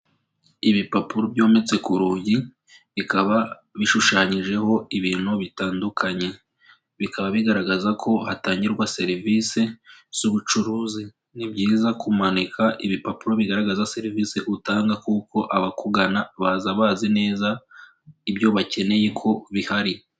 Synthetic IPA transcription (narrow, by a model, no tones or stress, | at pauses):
iβipapuɾobjo̞ːme̞t͡se̞kuɾuːɟi | βikaβa | βiʃuʃaːɲiʒe̞ho̞iβiːn̥huβitaːndukʰaɲe̞ | βikaβaβiɡaɾaɡazakʰo̞hataːɲɟiɾɡwase̞ɾivise̞z̥uβut͡ʃuɾuːzi | nibɟiːzakʰumanikʰaʔiβipapuɾo̞βiɡaɾaɡazase̞ɾiviːse̞ʔutaːŋɡakuko̞ʔaβakuɡanaβazaβazine̞ːza | ibjo̞βace̞ne̞jekʰo̞βihaɾi